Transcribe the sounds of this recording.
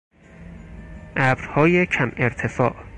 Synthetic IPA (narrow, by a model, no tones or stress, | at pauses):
ʔæbɾhɒːjecʰæmeɾt̪ʰefɒ̰ːʔ